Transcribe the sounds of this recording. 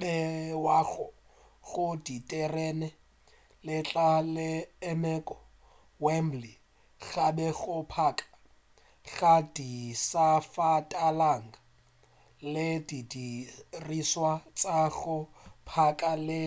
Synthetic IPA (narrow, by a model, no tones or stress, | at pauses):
bɛwaɣʊ | ɣʊditʼɛrɛnɛ | lɪt͡ɬʼalɪɛmɛkʼɔ | wɛmbli | ɣabɛɣʊpʰaːkʼḁ | ɣadisafatʼalaŋɡa | lɪdidiriswat͡sʼaɣʊ | pʰakʼalɪ